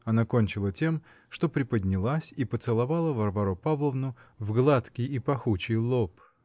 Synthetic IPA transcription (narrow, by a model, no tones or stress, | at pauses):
ɐnakonʲt͡ɕɪlˠətʲe̞m | ʂt̪o̞pɾʲɪpədʲnʲɪlˠasʲipət̪sɨlˠɐvalˠəvɐrvɐɾopavlˠəvnʊvɡlˠat̪kʲijipɐxut͡ɕɪjlˠop